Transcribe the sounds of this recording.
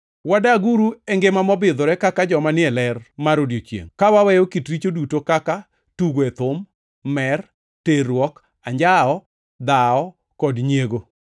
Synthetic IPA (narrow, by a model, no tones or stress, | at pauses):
wadaɡuɾuɛŋɡemamɔbɪd̪ɔɾɛkakad͡ʒɔmanɪɛlɛrmaɾodjot͡ʃjḛŋkawawɛjokitɾit͡ʃodutokaka | tuɡoɛt̪ʊmː | ɛr | teɾwɔk | aɲd͡ʒaɔ | d̪aɔ | kɔdɲjeɡo